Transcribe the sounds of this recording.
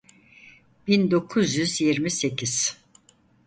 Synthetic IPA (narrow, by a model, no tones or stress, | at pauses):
b̥ind̪o̞kʰuzjyzjiɾmise̞cʰiz̥